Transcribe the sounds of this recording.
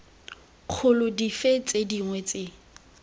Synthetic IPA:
q͡χʰʊlʊdifet͡sʼediŋwɛt͡sʼe

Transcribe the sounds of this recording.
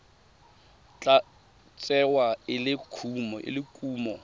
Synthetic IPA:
t͡ɬʼa | t͡sʼɛwaɪlɪkʰumɔʔɪ̰lɪkʼuːmɔ

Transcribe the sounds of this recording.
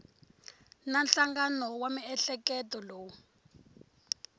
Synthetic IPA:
nanɬaŋɡanɔwamiɛɬɛkɛtɔloːwu

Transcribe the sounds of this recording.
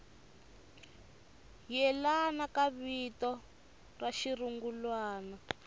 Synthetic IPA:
jɛlanakaβitɔ | raʃiruŋɡulwaːna

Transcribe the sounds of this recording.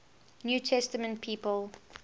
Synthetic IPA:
njuːtʰɛstəmə̃nt̚pʰiːpəlˠ

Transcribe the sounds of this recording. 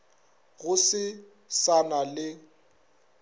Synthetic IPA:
ɣʊsɪ | sanalɪ

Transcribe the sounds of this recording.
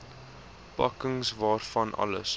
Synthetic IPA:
pɐ̰kəŋsvɑːrfɐnʔɐ̰lə̰s

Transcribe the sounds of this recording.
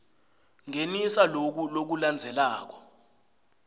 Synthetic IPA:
ŋenisalok̬ulok̬uland͡zʱɛlaːk̬ɔ̥

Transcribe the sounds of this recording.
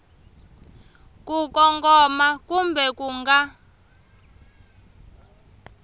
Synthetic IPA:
kukɔŋkɔmakumbɛkuŋɡa

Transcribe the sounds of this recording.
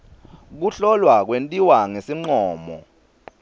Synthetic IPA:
k̬uɬɔlwak̬wentʼiwaŋesiŋ͡ǀɔːmɔ̰

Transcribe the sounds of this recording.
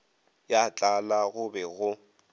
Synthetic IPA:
jat͡ɬʼalaɣʊbɛɣʊ

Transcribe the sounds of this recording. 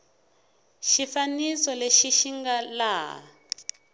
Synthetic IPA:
ʃifanisɔleʃiʃiŋɡala̰ː

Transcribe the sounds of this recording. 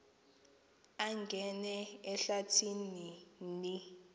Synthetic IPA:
aŋɡʱɛnɛɛɬatʰininni

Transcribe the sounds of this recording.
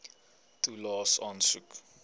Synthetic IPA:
tulɑːsɑnsuk

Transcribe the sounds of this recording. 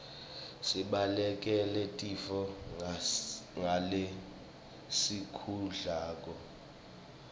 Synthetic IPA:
siɓalɛkʼɛlɛtʼifɔ | ŋale | sikʰuɮaːkʼɔ

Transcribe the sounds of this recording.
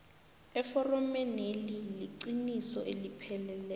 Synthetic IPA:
ɛfɔrɔmɛneliliǀinisɔʔelipʰɛlɛlɛ

